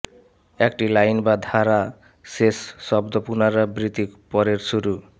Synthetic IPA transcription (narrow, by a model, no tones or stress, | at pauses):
ekʈilajnbad̪ʱaɾa | sesːɔbd̪ɔpunaɾabɾit̪ikpɔɾeɾsuɾu